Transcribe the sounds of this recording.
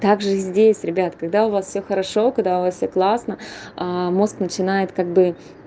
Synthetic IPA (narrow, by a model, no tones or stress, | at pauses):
t̪aɡʐɨzʲdʲesʲɾʲɪbʲat̪kɐɡd̪aʊvasfsʲɵxəɾɐʂo̞kɐɡ̚d̪aʊvasfʲsʲoklˠasnəəmo̞sknət͡ɕɪnajɪt̪kaɡ̚bɨ